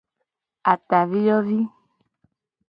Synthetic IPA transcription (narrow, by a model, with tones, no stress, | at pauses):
a˨t̪a˨vi˦jɔ˦vi˦